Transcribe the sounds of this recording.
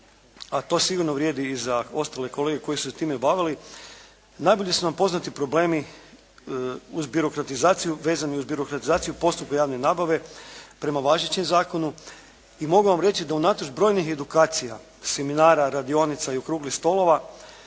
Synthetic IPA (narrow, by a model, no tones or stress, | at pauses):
at̪o̞siɡuɾnoʋɾje̞ːd̪iːzao̞st̪ale̞ko̞lˠeɡeko̞jisu̥set̪iːme̞baʋili | najbo̞ʎe̞sunampo̞znat̪ipɾo̞ble̞ːmi | uzbjuɾo̞kɾat̪izaːt̪sijuʋe̞ːzaniuzbjiɾo̞kɾat̪izaːt̪sijupo̞st̪up̚kajaːʋne̞naːbaʋe̞pɾe̞maʋaʒet͡ɕemzaːko̞nu | imo̞ɡuʋamɾe̞t͡ʃid̪aunaːt̪od͡ʒbɾo̞ːjnixe̞d̪ukaːt̪sija | se̞minaːɾaɾad̪io̞nit̪saiokɾuːɡlixst̪o̞lˠo̞ʋa